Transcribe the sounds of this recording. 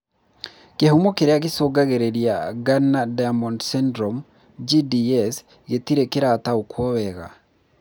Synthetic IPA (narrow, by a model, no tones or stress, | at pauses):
kehumokeɾeaɣesoɡaɣeɾeɾjaɡanadajamɔndsɛndɾɔm | d͡ʒidiɛs | ɣetiɾekeɾataokwɔβɛɣa̰